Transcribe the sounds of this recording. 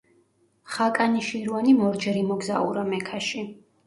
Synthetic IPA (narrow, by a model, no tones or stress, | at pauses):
χakʼaniʃiɾuanimɔɾd͡ʒɛɾimɔɡzaṵɾamɛkʰaʃi